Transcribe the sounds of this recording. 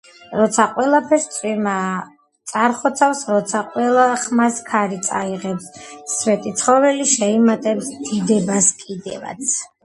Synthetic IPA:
ɾɔt̪sʰaqʼwɛlˠapʰɛɾst̪sʼwiɾma | t̪sʼaɾχɔt̪sʰafsɾɔt̪sʰaqʼwɛlˠaχmaskʰaɾit̪sʼa̰iʁɛpsːvɛt̪ʼit̪sʰχɔvɛliʃɛimat̪ʼɛbsd̪id̪ɛbaskʼid̪ɛ̰va̰t̪sʰ

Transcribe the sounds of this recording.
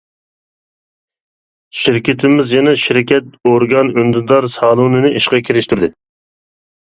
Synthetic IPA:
ʃiɾkʲʰɪt̪ʰɪmɪzjɛnɛʃiɾkʲɛt̪oɾɡɑnynd̪ɨd̪ɑɾsɑːlˠunɨnɨʔiʃqɑkʲʰiɾɪʃt̪yɾd̪ɪ

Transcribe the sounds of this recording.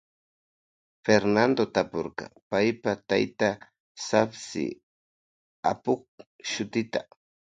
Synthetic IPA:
feɾnand̪ot̪apoɾqɑ̰pajpat̪a̰jt̪a | sapsɪ̰ | a̰pʊχ | ʃʊt̪ɪt̪a

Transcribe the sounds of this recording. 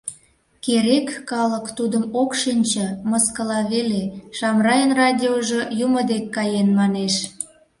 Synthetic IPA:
keɾekːɑləkt̪ud̪əmokʃinʲt͡ɕə̆məskəlɑβeleʃɑmrɑjənrɑdʲioʒojuməd̪ekːɑjenmɑneʃ

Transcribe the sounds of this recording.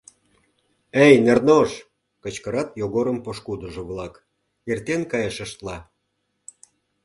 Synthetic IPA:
ejnernoʃ | kə̆t͡ɕkəɾɑt̪joɣoɾəmpoʃkud̪əʒŏβlɑk | ert̪enkɑjəʃə̆ʃt̪lɑ

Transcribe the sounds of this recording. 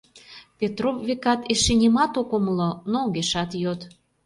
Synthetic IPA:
pʲet̪rovvekɑt̪eʃenʲemɑt̪okoməlonoɣeʃɑt̪jot̪

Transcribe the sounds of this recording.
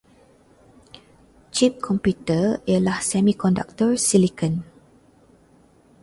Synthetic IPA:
t͡ʃip̚kʰɔ̃mpjutəialahsɛmikɔnda̰k̚tɔɹsilikʰən

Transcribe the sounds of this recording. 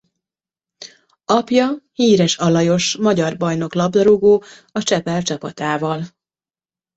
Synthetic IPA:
ɒpjɒhiːɾɛʃɒlɒjo̞ʃmɒɟɒrbɒjno̞klɒbd̪ɒɾoɡoːɒt͡ʃɛpɛlt͡ʃɒpɒt̪aːvɒl

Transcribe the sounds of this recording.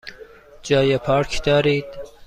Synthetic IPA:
d͡ʒɒːjepʰɒːɾkʰd̪̥ɒːɾiːd̪̥

